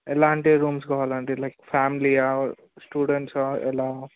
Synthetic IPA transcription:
elaɳʈeɾũːmsɡɔalãɳʈelaɪkfamlia | sʈuːɖẽɳʈsaḛla

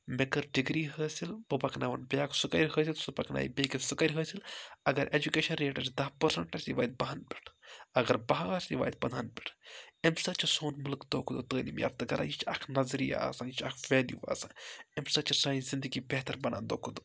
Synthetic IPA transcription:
mekɐɾɖiɡɾiːɦəːsilbɨpɐknaʋɐnbʲjaːksukɐɾʲɦəːsilsupɐknʔa̰ːj̰bʲeːkisukɐɾʲɦəːsilɐɡɐɾʔed͡ʒukeːʃɐnɾeːʈɐɾt͡ʃd̪ɐhpɐɾsɐɳʈɐsiʋaːjd̪̚bɐɦɐnbʲi̥ʈʰɐɡɐɾbɐɦasʲiʋaːjt̪̚bɐnaːnbʲi̥ʈʰemsɐt͡ʃʰɐsoːnmulkd̪oːkʰud̪ot̪əːnimja̰ːft̪ɨɡɐɾʔa̰ːjit͡ʃʰɐkʰnɐzɾija̰a̰saːnt͡ʃʰɐkʰʋʲeːljṵːʋa̰ːsaːnemsɐt͡ʃʰɐsaːizind̪ɨɡiːbɛɦt̪ɐɾbɐnʔa̰ːnd̪oːkʰud̪o

